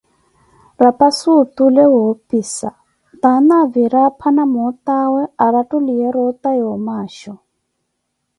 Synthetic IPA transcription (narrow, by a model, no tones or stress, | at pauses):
rapasutulɛɦopiːsa̰ | t̪anaviɾapʰanamɔtawɛaɾatulijɛɾɔtajɔmaːʃɔ